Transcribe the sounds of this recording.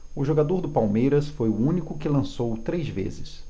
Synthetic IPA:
ʊʒoɡad̪oɾd̪ʊpawmejɾɐsfojʊũnikʊkɪlɐ̃sowt̪ɾejzvḛzɪs

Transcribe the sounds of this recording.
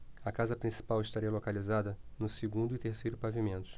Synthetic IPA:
ɐkazɐpɾĩsi̥pawɪʃt̪aɾiɐlokalizad̪ɐnʊsɪɡũnd̪ʊit̪eɾsejɾʊpavimẽnt̪ʊ̥

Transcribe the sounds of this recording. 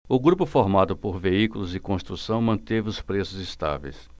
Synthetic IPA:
ʊɡɾupʊfoɾmad̪ʊpoɾveikulʊzɪkõst̪ɾusɐ̃w̃mɐ̃t̪evɪʊspɾesʊzɪst̪a̰vḛjs

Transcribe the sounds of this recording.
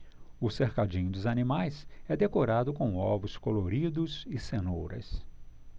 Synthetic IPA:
ʊseɾkad͡ʒĩɲʊd̪ʊzɐnimajsɛd̪ekoɾad̪ʊkõw̃ɔvʊskoloɾid̪ʊzɪsenowɾɐ̰s

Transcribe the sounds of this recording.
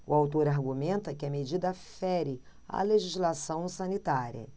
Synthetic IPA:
ʊawt̪oɾaɾɡumẽnt̪ɐkɪɐmed͡ʒid̪ɐfɛɾɪ | ɐ̰leʒizlasɐ̃w̃sɐnit̪aɾiɐ̰

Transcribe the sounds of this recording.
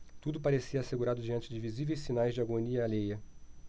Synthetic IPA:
t̪ud̪ʊpaɾesiɐːseɡuɾad̪ʊd͡ʒiɐ̃nt͡ʃɪd͡ʒɪvizivejsinajzd͡ʒɪaɡoniɐalejɐ

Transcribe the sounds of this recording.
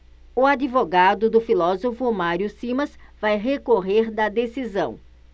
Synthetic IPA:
ʊad͡ʒivoɡad̪ʊd̪ʊfilɔzofʊmaɾjʊsĩmɐsv̥ajɦekoɦeɾd̪ɐd̪esizɐ̃w̃

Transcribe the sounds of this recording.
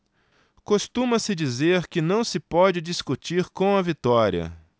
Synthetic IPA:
kost̪ũmɐsɪd͡ʒizeɾkɪnɐ̃w̃sɪpɔd͡ʒɪd͡ʒiskut͡ʃiɾkõw̃ɐvit̪ɔɾiɐ̰

